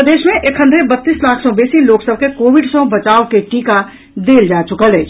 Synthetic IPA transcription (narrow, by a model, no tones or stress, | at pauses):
əd̪eːʃmẽʔekʰə̃nd̪ʱebət̪ːiːslaːkʰsɔ̃beːsiloːksəb̚ʱkekoːʋɪɖsõbət͡ʃaːokeʈiːka | d̪eːld͡ʒaːt͡ʃʊkəleː